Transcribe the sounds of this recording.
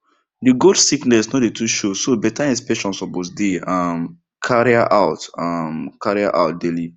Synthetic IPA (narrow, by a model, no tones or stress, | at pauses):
diɡodsiknɛssnɔtditʰuʃosobɛtaĩnspɛʃɔ̃nsɔpɔsdeam | kʰaɹiaʔaʊtamkʰaɹiaʔa̰ʊt̚deli